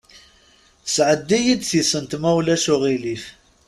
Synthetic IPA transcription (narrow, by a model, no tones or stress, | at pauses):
sʕəd̪ːijid̪θisənt̪mæwlæʃʊʁilif